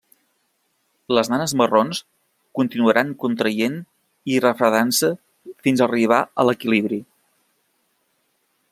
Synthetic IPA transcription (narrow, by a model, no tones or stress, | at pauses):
ləznanəzmərons | kunt̪inuəɾʔaŋkunt̪ɾəjen | irəfɾəðansə | finzəriβ̞aələkiliβ̞ɾi